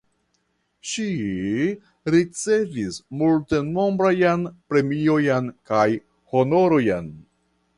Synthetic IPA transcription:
ʃi | ɾit͡se̞vismulte̞no̞mbɾajanpɾe̞mio̞jankaj | ho̞no̞ɾo̞jan

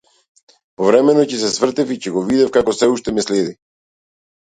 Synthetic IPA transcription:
pɔvɾɛmɛnɔcɛs̬ɛsvr̩t̪ɛficɛɡɔvid̪ɛfkakɔsɛuʃt̪ɛmɛslɛd̪i

